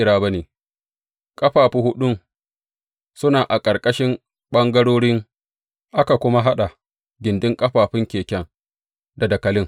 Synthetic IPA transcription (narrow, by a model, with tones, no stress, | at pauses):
ɪ˦ɽaː˦ba˦neː˨ | kʼɐ˦ɸaː˨ɸi˦hʊ˦ɗʊ˦ŋ | sʊ˦naː˨ʔa˨kʼɐ˨ɾkʼɐ˦ʃɪ˦m | ɓɐ˦ŋɡɐ˦ɽoː˦ɽɪ˦ŋ | ʔa˦ka˨kʷʊ˦ma˦ɦa˦ɗa˨ | ɡʲɪ˨ndɪ˦ŋkʼɐ˦ɸaː˨ɸɪ˦ŋkʲeː˨kʲɛ˦ŋ | da˨dɐ˨kɐ˨lɪ˦ŋ